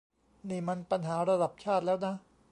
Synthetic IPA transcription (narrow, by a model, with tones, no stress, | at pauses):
niː˥˩ma˧npa˧nɦaː˩˦ɾa˧da˨˩p̚t͡ɕʰaː˥˩t̪̚lɛː˦˥wna˦˥